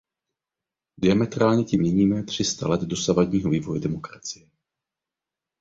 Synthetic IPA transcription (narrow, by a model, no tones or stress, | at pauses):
dɪamɛt̪ɾaːlɲɛcɪmɲɛɲiːmɛt̪r̝̥ɪst̪alɛd̪do̞savadɲiːɦo̞viːvo̞jɛdɛmo̞kɾat͡sɪjɛ